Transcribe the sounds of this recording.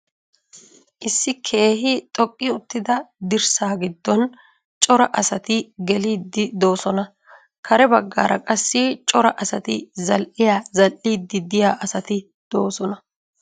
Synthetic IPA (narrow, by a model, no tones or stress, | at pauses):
ʔɪsːɪkʰe̞ːɦɪt̪ʼɔkʼːɪʊt̪ːɪd̪ɐd̪ɪɾsaːɡɪd̪ːɔn | t͡ʃʼɔɾɐʔɐsɐt̪ɪɡɛliːd̪ːɪd̪o̞ːsɔnɐ | kʰɐɾɛbɐɡːa̰ːɾɐkʼɐsːɪt͡ʃʼɔɾɐʔɐsɐt̪ɪzɐlʔɪjaːzɐlʔiːd̪ːɪd̪ɪjaːʔɐsɐt̪ɪ | d̪̥o̞ːsɔnɐ